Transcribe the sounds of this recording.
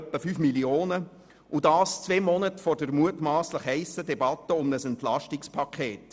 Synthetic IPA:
pːəfyːfmilioːnə | ʔudɑːst͡sveːmɔnətfɔrdəɾmuətmɑːsləχhɛɪsədɛbɑtːəʊmnəsɛntlɑʃtɪkspʰɑkʰeːt

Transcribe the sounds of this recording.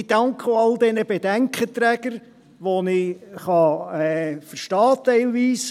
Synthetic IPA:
d̥ɑŋkχəɑld̪ɛnəbɛd̥æŋkχət̪ɾæːɡ̥əɾ | ʋonɪχɑɛfəɾʃtɑːt̪ɛɪlʋiːs

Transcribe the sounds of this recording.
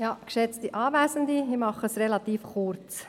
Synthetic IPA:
jɑkʃɛt͡stiʔɑːʋæːsəndiimɑχəsrɛlɑt̪iːfχʊɾt͡s

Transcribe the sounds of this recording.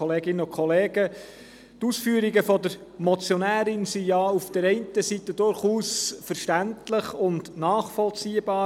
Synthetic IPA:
ɔleːɡɪnənʊkʰɔleːɡə | t̪uːsfyːəɾiɡəfɔdəɾ | mɔt͡sjɔnæːɾɪnsijɑufd̥əɾɛɪntəsit̪ədʊɾχuːsfəɾʃtæntləχʊndnɑːχfɔlt͡siːəbɑː

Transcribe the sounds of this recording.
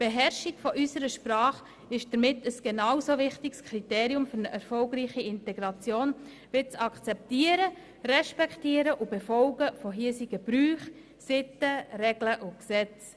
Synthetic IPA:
b̥eɦɛɾʃɪɡfɔʔysəɾəʃpɾɑːχ | ɪʃd̥əɾmɪtəsɡ̥enawsovɪχtɪkskʰɾiteːɾiʊmfʏɾnəʔɛɾfɔlɡɾiːχiɪntɛɡɾɑt͡sjoːn | ʋɪt͡sɑkt͡sɛptiːəɾə | rɛʃpɛktiəɾəʔʊbefɔlɡəfoɦiːsiɡ̥əb̥ɾyːχ | sɪtərɛɡ̥ləʔʊksɛt͡s

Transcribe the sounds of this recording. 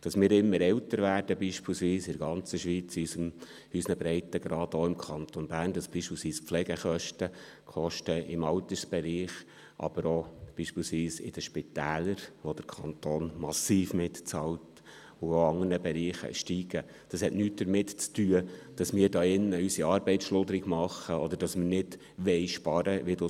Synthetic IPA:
d̥ɑsmɪːɾɪmːəɾɛlt̪əɾʋæːd̥əbiːʃpilsʋiːsɪdəɡɑnt͡səʃʋit͡sysəm | ysnəbɾɛɪtəɡɾɑːd̪oɪmkʰɑnt̪onbæːrnd̥ɑsb̥iːʃpiːlsʋiːspflɛɡ̥əχœʃtə | kʰɔʃtəɪmɑwt̪əɾsb̥ɛɾiːχ | ʔɑ̰b̥əɾob̥iːʃpiːlsʋiːsɪ̰d̥əʃpɪt̪æːləɾʋod̥̪əɾkʰɑnt̪oːnmɑsiːfmɪtt͡sɑlt | ʊoɑŋərnəbɛɾiːχə̰ʃtiːɡ̥ə | d̪̥ɑshɛtnyːt̚d̪əɾmɪtt͡styəd̥ɑsmɪːɾdɑːɪnːəysiɑːɾbɛɪtsʃlʊd̪əɾɪɡmɑχːəɔd̪əɾd̥ɑsmənɪd̥ | ʋɛɪʃpɑɾəʋidu

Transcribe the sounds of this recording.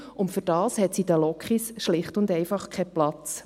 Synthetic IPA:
ʊntfʏɾd̥ɑːshɛt̪sidəlɔkχisʃlɪχtʊndɛjfɑχkʰɛplɑt͡s

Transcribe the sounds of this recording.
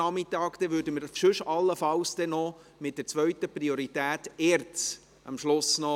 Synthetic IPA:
ɑmɪt̪ːɑːkd̥̪ɛʋʉːɾdəməɾʃɵʃɑlːəfɑwsd̥̪ɛnɔ | mɪt̚d̥ɛɾt͡sʋœɥtəpɾioɾitæːtɛːɾt͡s | ɑ̰mʃlʊsnɔ

